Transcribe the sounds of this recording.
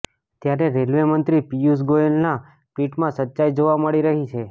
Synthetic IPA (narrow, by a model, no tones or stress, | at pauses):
t̪jaɾeɾelʋemənt̪ɾipijus̬ɡoelna | piʈmãsətːʃajd͡ʒoʋaməɭiɾəɦit͡ʃʰe